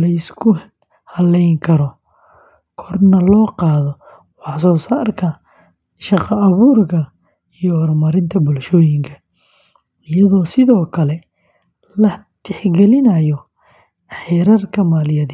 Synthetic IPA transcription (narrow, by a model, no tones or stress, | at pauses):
lɐɪskʰʊ | hɐlɛjŋkʰɐɾɔ | kʰɔrnɐlɔːqɑːðɔ | wɑħsɔːsaːrkʰɐ | ʃɑqɑːβuːrkʰɐ | ijɔːrmɐɾɪnt̪ʰɐbʊlʃɔːjɪŋkʰɐ̥ | ɪjɐðɔːsɪðɔːkʰɐlɛ | lɐt̪ʰɛħɡɛlɪnɐjɔ | ħɛːɾɐrkʰɐmaːlɪjɐðɪ